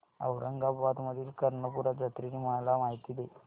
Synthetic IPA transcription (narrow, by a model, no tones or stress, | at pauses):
ə̰wɾʔəŋɡabad̪məd̪ʱiːlkɐɾɳəpuɾad͡zɐt̪ɾinimaɳlamaɦit̪id̪e